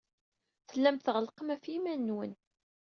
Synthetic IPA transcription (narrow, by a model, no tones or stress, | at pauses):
θəlːæmt̪θʁəlqəmæfimænːwən